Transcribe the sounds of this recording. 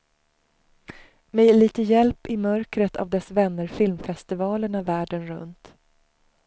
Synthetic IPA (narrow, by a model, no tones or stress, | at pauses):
mɛliːt̪əjɛlpɪmœɾkɾət̪ʰa̰vd̪ɛsvɛnːəɾfɪlmfɛst̪ɪvɑːləɳavæːɖənɾɵ̰nt̪